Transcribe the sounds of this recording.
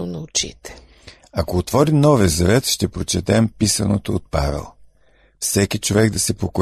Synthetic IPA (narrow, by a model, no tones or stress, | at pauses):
ʊnɐʊt͡ʃḭt̪ɛ̥ | ɐkoːt̪vɔɾimnɔvɛzɐvɛt̪ʃt̪ɛpɾot͡ʃɛt̪ɛmpisɐnot̪oːt̪̚pa̰vɛ̰lˠ | fsɛkit͡ʃovɛɡd̪ɐsɛpoko